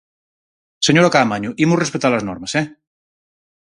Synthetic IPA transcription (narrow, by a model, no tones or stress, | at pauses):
səɲoɾakaːmaɲuʔimurəspət̪aləznɔɾməsɛ